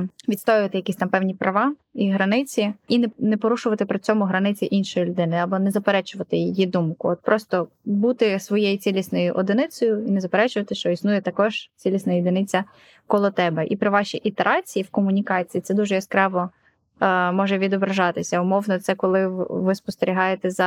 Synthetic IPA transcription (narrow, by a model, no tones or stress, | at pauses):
ʋʲit̪st̪ɔjɪʋɐt̪ɪjɐkʲisʲt̪ɑmpɛwnʲipɾɐʋɑiɦɾɐnɪt͡sʲiinnɛpɔɾuʃʊʋɐt̪ɪpɾɪt͡sʲɔmʊɦɾɐnɪt͡sʲiʔinʃɔjʊlʲʊd̪ɪnɪɐbɔnɛzɐpeɾɛt͡ʃʊʋɐt̪ɪjid̪umkʊɔt̪̚pɾʔɔst̪ɔbut̪ɪsʋɔjejit͡sʲilʲisnɔjʊʔɔd̪ɪnɪsɔjʊinɛzɐpeɾɛt͡ʃʊʋɐt̪ɪʃt͡ʃɔisnujɛt̪ɐkɔʒ̥t͡sʲilʲisnɐjɪd̪ɪnɪt͡sʲːɐ | kɔlˠɔt̪ɛbɛʔipɾɪʋɑʃʲiʔit̪eɾʔɑt͡sʲijiwkɔmʊnʲikɑt͡sʲijːt̪ɛd̪uʒɛjɔskɾɑʋɔ | mɔʒɛʋʲid̪ɔbɾɐʒɑt̪ɪsʲɐʊmɔwnɔt̪sɛkɔlˠɪʋɪspɔst̪eɾʲiɦɑjet̪ɛzɐ